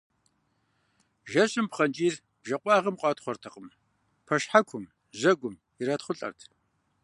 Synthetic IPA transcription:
ʒɐɕʼɪmpχɐnt͡ʃʼiːr | b̥ʒɐqʷʼɑːʁɐmqʷʼɑːtχʷɔrtʰɐqʼəm | pʰɐʃħakʷʰʊm | ʑɐɡʷʊm | iɾatχʷʊɬʼɐ̰rtʰ

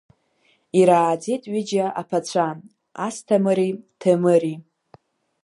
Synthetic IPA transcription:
iɾaːd͡zitʼɥid͡ʒaʔapʰat͡ɕʷʰa | astʰamɨɾitʰemɨɾi

